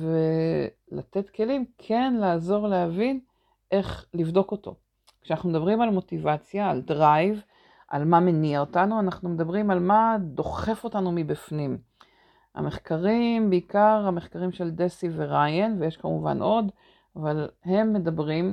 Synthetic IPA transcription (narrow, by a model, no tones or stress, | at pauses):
ve̞ | la̰t̪e̞tke̞limkʰe̞nlaːzo̞ʁlehavin | ʔe̞χlivd̪o̞ko̞to̞̰ | kʃeanaχnumed̪abʁimalmo̞tivat͡sjaːldʁajv | ʔa̰lmame̞niaotanuanaχnume̞d̪abʁimalmad̪o̞χe̞fo̞tanumibifnim | a̰me̞χkaʁimbeikaʁameχkaʁimʃe̞ld̪esiveʁajenvejeʃkamuva̰nʔo̞d | avalhe̞mːe̞dabʁim